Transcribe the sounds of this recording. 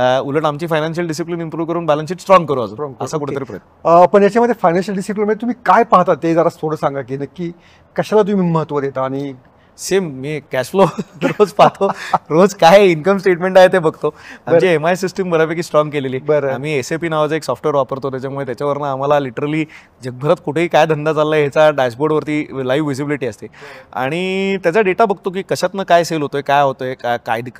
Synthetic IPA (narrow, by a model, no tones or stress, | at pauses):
uləʈamt͡ɕiːfajnanɕ̬əlɖisiplinimpɾuːʋkəɾuːnbæləns̬iːʈsʈɾɔ̃ŋɡkəɾoad͡zuːnəsakuʈʰet̪əɾiːpɾəjt̪pəɳjat͡ɕaməd̪ʱːjefajnãnɕəlɖisiplinəd̪ʱjet̪um̤iːkajpaɦt̪at̪ːed͡zaɾat̪ʰoɽəsãŋɡakinəkiː | kəɕalat̪̬umiːməɦət̪ʋəd̪et̪aːɽ̃i | semːiːkæɕfloɾod͡zpat̪ʰoɾod͡zkaɦjinkəmsʈeʈmẽɳʈaɦet̪ebəɡt̪oamd͡ʑiemajsisʈəmbʱəɾapekiːsʈɾɔ̃ŋɡkeleliːbəɾam̤iːesepiːnaʋad͡zəeksɔfʈʋeɾʋapəɾt̪ot̪jat͡ɕamuɭet̪jat͡ɕjaʋəɾnaːm̤alaliʈəɾəliː | d͡ʑəɡ̚bʱəɾət̪kuʈʰeiːkajd̪ʱənd̪ad͡zalːaɦet͡saɖajsboɾɽʋəɾt̪iːlajʋːid͡zibiliʈiːəst̪ea̰ɽ̃it̪jat͡ɕaɖeʈabəɡ̚t̪ok̬iːkəɕat̪nəkajselɦot̪ojekajɦot̪ojekakajd̪ik